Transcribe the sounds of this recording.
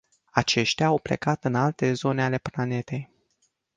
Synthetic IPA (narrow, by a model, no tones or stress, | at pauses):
at͡ʃe̞ʃt̪eaːwple̞̰kat̪ɨnalt̪e̞zo̞neale̞plane̞t̪e̞j